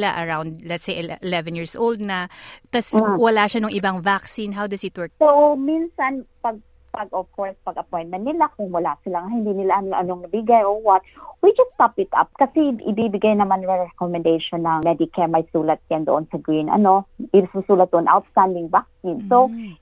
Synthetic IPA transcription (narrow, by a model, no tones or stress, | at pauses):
laʔɐɹawnd̪̚lɛt̪sejɛʔɪlɛvɛ̃njiːɹsʔowld̪̚nɐt̪ɐswɐlaːʃanʊŋʔɪbaŋvaksinɦawd̪ɐsɪt̪̚wɛɹk̚sowminsɐnpɐɡ̚ | pɐɡɔvkɔɹspɐɡɐpɔ̃jn̚mɛ̃n̚nɪlakʊŋwɐlasɪlaŋahɪnd̪inɪlaɐnʔɐnoŋnɐbɪɡajʔoɹwɔt̪̚wid͡ʒɐst̪apɪt̪ʔa̰p̚kɐsɛʔɪbibɪɡajnɐmanɹɛkɔmɛ̃nd̪ejʃonːɐŋmɛd̪ɪkʰɛmɐjsuːlɐt̪̚ːand̪oʔonsɐɡɹinɐ̰noɪsusuːlɐt̪̚d̪oʔonʔa̰wt̪st̪and̪ɪŋvak̚sinsow